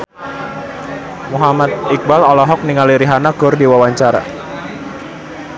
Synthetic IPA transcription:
muɦamat̪̚ik̚balɔlɔɦɔk̚niŋaliɾiɦanaɡ̥ɔrdiwawaɲt͡ʃaɾa̰

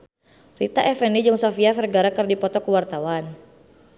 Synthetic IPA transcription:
rit̪aʔɛfɛnid͡ʒʊŋsɔfiafɛrɡaɾakɨrdipɔt̪ɔkəwart̪awan

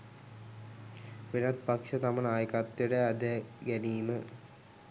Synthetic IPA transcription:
ʋinɐt̪pɐkʂɐt̪ɐmɐɭaːjkat̪ːjuɽeɐd̪ʱeɡɐniːmɨ

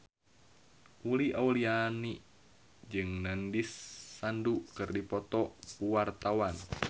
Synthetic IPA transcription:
ʔuliʔauliani | d͡ʒɨŋnandisːandukɨrdipɔt̪ɔpuwart̪awan

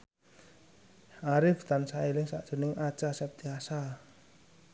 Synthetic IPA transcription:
ʔaɾɪft̪ansaelɪŋsa̰ʔd̥ʒ̥ṳnɪŋḁt͡ʃasɛp̚t̪iasa

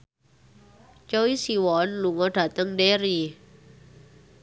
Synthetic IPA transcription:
t͡ʃowisiwɔnluŋɔɖ̥a̤t̪əŋdeɾi

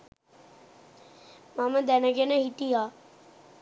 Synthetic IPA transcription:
maməd̪ænəɡenəɦiʈijaː

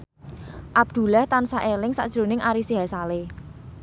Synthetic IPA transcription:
ʔab̚d̪̥ṳlaht̪ansaʔelɪŋsa̰ʔd̥ʒ̥ɾo̤nɪŋʔaɾisiɦasale

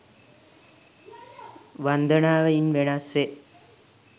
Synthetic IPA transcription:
ʋɐnd̪ɐɳaːʋɐjɪnʋeɳasʋe

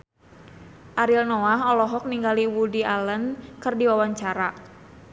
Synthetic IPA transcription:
ʔaɾilnɔaɦɔlɔɦɔk̚niŋɡaliwudialənkɨrdiwawaɲt͡ʃaɾa

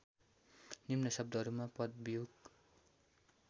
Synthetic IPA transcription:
nimnʌsʌb̚d̪ʌɦʌɾumapʌt̪̚bijuɡ

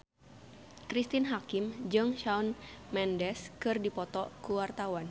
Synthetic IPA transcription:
kɾist̪inɦakɪmd͡ʒɨŋʃaunmɛndɛskɨrdipɔt̪ɔkuwart̪awan

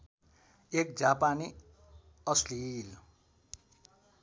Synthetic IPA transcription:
ek̚d͡zapani | ʌslil

